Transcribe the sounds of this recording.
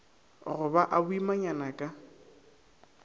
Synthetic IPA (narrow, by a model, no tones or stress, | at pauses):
ɣʊbaʔabʊimaɲanakʼa